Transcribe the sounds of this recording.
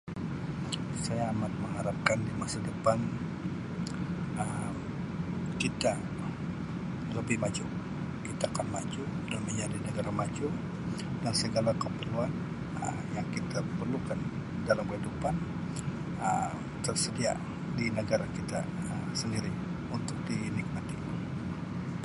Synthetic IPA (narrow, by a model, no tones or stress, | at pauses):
sajaːmat̪̚məŋaɾap̚kandimasadəpan | ə | kit̪a | ləbɪhmad͡ʒu | kit̪aːkanmat͡ʃu | danməɲd͡ʒadinəɡaɾamad͡ʒu | dansəɡalakəpərluan | ə̰ | jaŋkit̪apərlukandalamkəidupan | ə̰ | t̪ərsədia̰ | dinəɡaɾakit̪a̰əmsəndiɾi | unt̪ʊk̚dinik̚mat̪i